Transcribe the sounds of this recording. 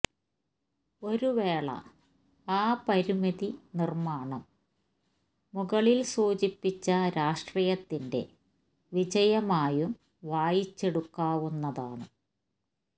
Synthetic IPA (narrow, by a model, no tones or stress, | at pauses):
o̞ɾuʋeːɭɐ̰ | aːpɐɾimɐðinirmaːɳɐm | uɣɐɭilsuːt͡ɕipːit͡ɕːɐɾaːʂʈriːjɐt̪ːinde̞̰ | ʋid͡ʑɐjɐmaːjum | ʋaːjit͡ɕːe̞ɽukːaːʋunːɐðaːɳɨ